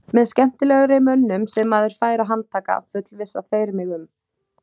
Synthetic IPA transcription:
mɛðskcɛm̥t̪ɪlɛːɣʏɾemœnːʏmsɛmːaðɪɾ̥faːjɾaɦant̪t̪ʰːaːka̰fʏt̪lvɪsːafeːjɾmɪɣʏm

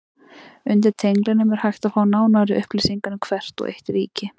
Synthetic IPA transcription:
ʏnt̪ɪɾ̥t̪ʰejŋklɪnʏmɛɾ̥hajxt̪afaːwnaːwnaɾɪʔʏhplisiŋkanʏkʰvɛr̥t̪ɔ̰ɣʔḛjht̪ɪɾḭːcɪ

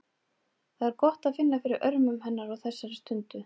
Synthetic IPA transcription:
θaðɛɾkɔht̪aðfɪnːafɪɾɪɾʔœɾmʏmhɛnːaɾɔðθɛsːaɾɪst̪ʏnt̪ʏ

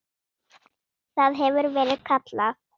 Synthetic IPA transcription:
θaðɦɛvʏɾvɛːɾɪðkʰat̪la

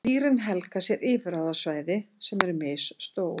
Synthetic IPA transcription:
iːɾɪnɦɛlkasjɛɾʔɪːvɾaːwðasvaːjðɪsɛmɛɾʏɾmeːjsːt̪oːw

